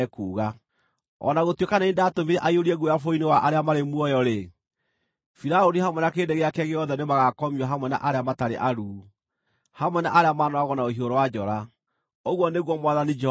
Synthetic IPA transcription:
kuːɣa | ɔ̰naɣotwekanaindatomiɾɛʔaioɾiɛɣujafoinewaʔaɾeamaɾemuɔjɔɾe | fiɾaoɾihamwɛnakeːndeɣeakɛɣeɔðɛnemaɣakɔmiwaɦamwɛna̰ʔaɾeamataɾḛʔaɾuː | hamwɛnaʔaɾeamaːnɔaɣɔnaohioɾɔwad͡ʒɔɾa | oɣwɔneɣwɔmwaðanid͡ʒɛ

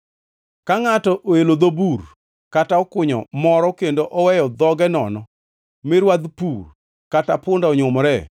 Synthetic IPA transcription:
kaŋatɔʔoelod̪obur | kataɔkʊɲɔ̰mɔɾɔkendoʔɔwɛjɔd̪ɔɡɛnɔ̰nɔ | mɪɾwad̪pur | katapʊndaɔɲʊmɾɛ

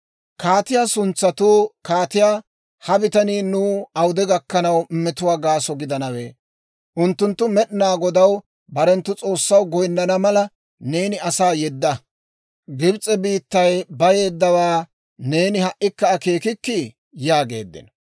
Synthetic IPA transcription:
kaːt̪ɪjaːsʊnt͡sːɐt̪uːkaːt̪ɪjaː | hɐbɪt̪ɐniːnuːɐwd̪ɛɡɐkːɐnɐwmːɛt̪ʊwaːɡaːsɔɡɪd̪ɐnɐweː | ʔʊnt̪ːʊnt̪ːʊmɛɗɪnaːɡɔd̪ɐw | bɐɾɛnt̪ːʊt͡sʼo̞ːsːɐwɡɔjnːɐnɐmɐlɐ | ne̞ːnɪɐsaːjɛd̪ːɐ | ɡɪbt͡sʼɛbiːt̪ːɐjbɐje̞ːd̪ːɐwaː | ne̞ːnɪhɐʔːɪkːɐːke̞ːkɪkːɪ | jaːɡe̞̰ːd̪ːɪ̰n

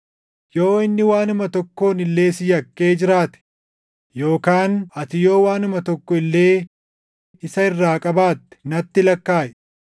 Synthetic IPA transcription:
jo̞ːɪnːɪwaːnʊmɐt̪ɔkːo̞ːnɪlːe̞ːsɪjɐkːe̞ːd͡ʒɪɾaːt̪ɛ̥ | jo̞ːkaːnɐt̪ɪjo̞ːwaːnʊmɐt̪ɔkːɔɪlːe̞ː | ɪsɐɪrːaːkʼɐbaːt̪ːɛ̥nɐt̪ːɪlɐkːaːʔɛ

